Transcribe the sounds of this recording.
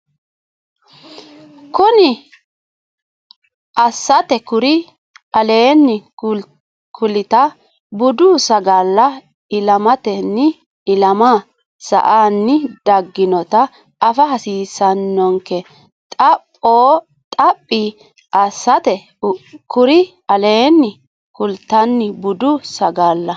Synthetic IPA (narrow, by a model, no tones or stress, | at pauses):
kʊnɪ | ʔɐsːɐt̪ɛkʊɾɪ | ɐleːnːɪ | kʰʊlɪt̪ɐ | bʊd̪uːsɐɡalːɐ | ɪlɐmɐt̪ɛnːɪ | ɪlɐma | sɐ̰ʔaːnːɪd̪ɐɡːɪnɔt̪ɐː | fɐhɐsiːsɐnːɔŋkɛ | tt̪ʼɐpʼːoː | t̪ʼɐpʼːi | ʔɐsːɐt̪ɛ | kʰʊɾɪ | ɐleːnːɪ | kʊlt̪ɐnːɪbʊd̪ʊsɐɡaːlːɐ